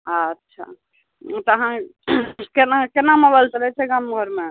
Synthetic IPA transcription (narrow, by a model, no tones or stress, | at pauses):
ətːʃʰa̰ | t̪əɦã | kenakenaməbəlsəɾɛt͡ʃʰɛɡamɡʱəɾme